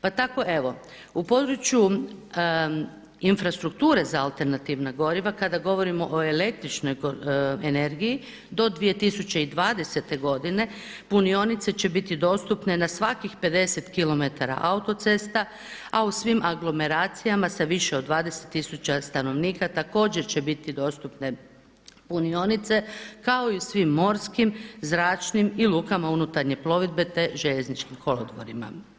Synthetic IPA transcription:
pat̪ako̞ʔe̞ʋo̞ | upo̞d̪ɾut͡ɕju | infɾast̪ɾukt̪uːɾe̞zaalˠt̪e̞ɾnat̪iʋnaɡo̞ɾiʋakad̪aɡo̞ʋo̞ɾimo̞ʔoe̞le̞k̚t̪ɾit͡ʃno̞jɡoene̞ɾɡiji | d̪o̞d̪ʋije̞t̪isut͡ɕe̞id̪ʋaːd̪e̞se̞t̪e̞ɡo̞d̪ine̞ | punio̞nit̪se̞t͡ɕe̞bit̪id̪o̞ːst̪upnenasʋakixpe̞d̪e̞se̞t̪kilo̞me̞t̪aɾa̰ʔaut̪o̞t̪se̞st̪a | ausʋimʔaɡlˠo̞me̞ɾaːt̪sijamasaʋiʃe̞od̪ːʋaːd̪ese̞t̪ːisut͡ɕast̪ano̞ʋniːkat̪ako̞ːd͡ʑe̞ɾt͡ɕe̞bit̪id̪o̞ːst̪upne̞ | punio̞nit̪se̞kao̞iusʋimːo̞ːɾskimzɾaːt͡ʃnimilˠuːkamaunut̪aɾɲe̞plo̞ʋid̪̚be̞t̪e̞ʒeʎeznit͡ʃkimkʰo̞lod̪ʋo̰ɾima̰

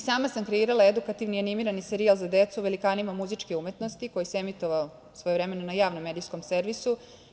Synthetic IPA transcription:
saːmasamkɾeiːɾalaed̪ukat̪iʋnianimiɾaniseɾialˠzad̪et̪suʋe̞likaːnimamuzit͡ʃkeume̞t̪no̞st̪iko̞jiseemit̪o̞ʋao | sʋo̞jeɾe̞me̞nonajaːʋnomːed̪ijsko̞mse̞ɾʋisu

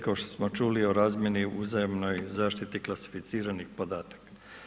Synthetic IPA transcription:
kaoʃt̪o̥smo̞t͡ʃuːlio̞ɾaːzmje̞niuzajomno̞jzaːʃt̪it̪iklasi̥fit̪siːɾanixpo̞d̪aːt̪ḁk

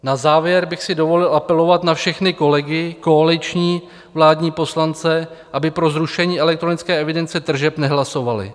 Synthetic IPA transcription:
nazaːvjɛɾbɪxsɪdo̞vo̞lɪlʔapɛlo̞vat̪nafʃɛxnɪko̞lɛɡɪko̞alɪt͡ʃɲiː | vlaːdɲiːpo̞slant͡sɛ | ʔabɪpɾo̞zɾuʃɛɲiːʔɛlɛkt̪ɾo̞nɪt͡skɛːɛvɪdɛnt͡sɛt̪r̩ʒɛpnɛɦlaso̞valɪ̰

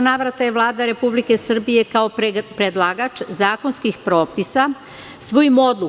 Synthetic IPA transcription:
naːʋɾat̪ajeʋlˠaːd̪aɾe̞publike̞sr̩bije̞kao̞pɾed̪lˠaːɡat͡ʃzaːko̞nskixpɾo̞ːpisa | sʋojimo̞d̪lu

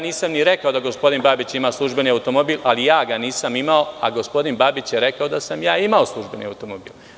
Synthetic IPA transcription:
niːsamniɾekao̞d̪aɡo̞spo̞d̪inbaːbit͡ɕimaːslˠuʒbe̞niaut̪o̞mo̞biːlˠalijaːɡaniːsamimao̞a̰ɡo̞spo̞d̪inbaːbit͡ɕjeɾe̞kao̞d̪asamjaːimaoslˠuʒbenḭa̰ut̪o̞mobiːl

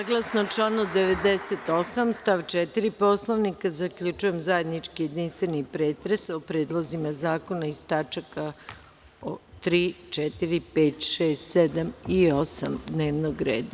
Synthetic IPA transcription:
saɡlˠasnot͡ʃlanud̪eʋed̪eset̪o̞samst̪aʋt͡ʃɛt̪iɾipo̞slˠoʋnikazakʎʲut͡ʃujemzaje̞d̪nit͡ʃkije̞d̪inst̪ʋenipɾeːt̪ɾesopɾeːd̪lˠozimazaːko̞naist̪at͡ʃaka | ot̪ɾiːt͡ʃɛt̪iɾipeːt̪ʃeːst̪sed̪amio̞samd̪neːʋnoɡɾḛːd̪a

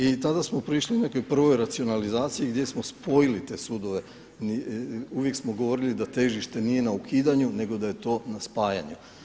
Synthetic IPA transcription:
it̪ad̪asmo̞pɾiʃline̞ko̞jpr̩ʋo̞jɾat̪sio̞nalizaːt̪sijiɡd̪je̞smo̞spo̞jilit̪e̞ːsuːd̪o̞ʋe̞ | niuʋje̞ksmoɡo̞ʋo̞ɾilid̪at̪e̞ʒiʃt̪e̞nije̞naukʰiːd̪aɲune̞ɡo̞d̪aje̞t̪o̞naspaːja̰ɲu

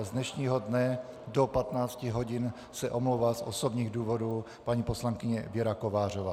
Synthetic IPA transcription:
zdnɛʃɲiːɦodnɛ | dopat̪naːt͡scɪɦo̞ɟɪn | sɛʔomlowvaːsʔosobɲiːɣduːvo̞duː | paɲipo̞slaŋkɪɲɛvjɛɾakovaːr̝ovaː

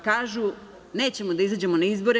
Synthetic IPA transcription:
kaːʒu | ne̞ːt͡ɕe̞mod̪aizaːd͡ʑe̞monaizbo̞ɾe

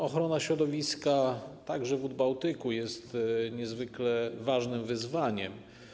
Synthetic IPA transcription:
ɔxɾɔnaɕɾɔd̪ɔvʲiskat̪aɡʐɛvud̪̚bawt̪ɘkujɛst̪ɲɛzvɘklɛvaʐnɘmvɘzvaɲɛm

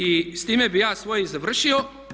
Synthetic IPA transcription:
ist̪iːmɛbijaːsʋoːjizaʋr̩ʃio

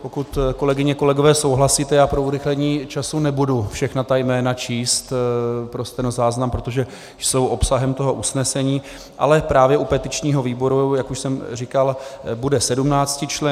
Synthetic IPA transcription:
po̞kut̪ko̞lɛɡɪɲɛko̞lɛɡovɛːso̞wɦlasiːt̪ɛjaːpɾo̞uɾɪxlɛɲiːt͡ʃasunɛbudufʃɛxnat̪ajmɛːnat͡ʃiːst̪pɾost̪ɛnozaːznampɾo̞t̪o̞ʒɛ | so̞wʔo̞psaɦɛmt̪o̞ɦo̞ʔusnɛsɛɲiː | ʔa̰lɛpɾaːvjɛʔupɛt̪ɪt͡ʃɲiːɦo̞viːbo̞ɾujakuʃsɛmrikalbudɛsɛdumnaːt͡scɪt͡ʃlɛ

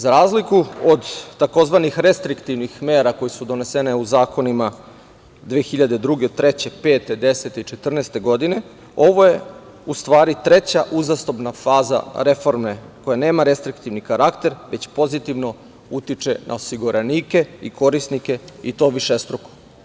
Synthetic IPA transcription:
zaɾaːzlikuod̪t̪ako̞zʋanixɾe̞st̪ɾikt̪iʋnixme̞ːɾako̞jesud̪o̞ne̞seneuzaːko̞nima | d̪ʋeːxiʎad̪ed̪ɾuɡet̪ɾe̞t͡ɕe̞pe̞ːt̪e̞d̪e̞se̞t̪eit͡ʃe̞t̪r̩neːst̪e̞ɡo̞d̪ine̞ | o̞ʋo̞je̞ | ust̪ʋaːɾit̪ɾe̞t͡ɕaʔuzast̪o̞pnafaːza̰ɾe̞fo̞ɾme̞ko̞jane̞ːmaɾe̞st̪ɾik̚t̪iʋnikaɾakt̪e̞ɾʋe̞t͡ɕpo̞zit̪iʋno̞ | ut̪it͡ʃe̞nʔa̰osiɡuɾʔeniːke̞iko̞ɾisnike̞it̪o̞ʋiʃest̪ɾoko̥

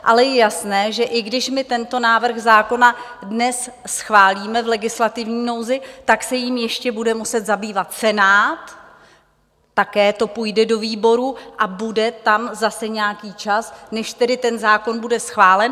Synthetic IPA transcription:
ʔalɛjɛjasnɛːʒɛʔɪɡdɪʃmɪt̪ɛnt̪o̞naːvr̩ɣzaːko̞nadnɛssxvaːliːmɛvlɛɡɪslat̪ɪvɲiːno̞wzɪt̪aksɛjimjɛʃcɛbudɛmusɛt̪zabiːvat̪sɛnaːt̪ | akɛːt̪o̞pujdɛdo̞viːbo̞ɾuʔabudɛt̪amzasɛɲɛakiːt͡ʃasnɛʃt̪ɛdɪt̪ɛnzaːko̞nbudɛsxvaːlɛn

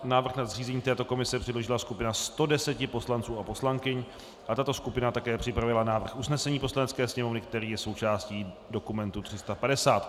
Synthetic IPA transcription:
naːvr̩xnazr̝iːzɛɲiːt̪ɛːt̪o̞ko̞mɪsɛpr̥ɛdlo̞ʒɪlaskupɪnast̪o̞dɛsɛcɪpo̞slant͡suːapo̞slaŋkɪɲ | ʔat̪at̪o̞skupɪnat̪akɛːpr̝̥ɪpɾavɪlanaːvr̩xʔusnɛsɛɲiːpo̞slanɛt͡skɛːsɲɛmo̞vnɪk̚t̪ɛɾiːjɛso̞wt͡ʃaːsciː | do̞kumɛnt̪ut̪r̥ɪst̪apadɛsaːt̪

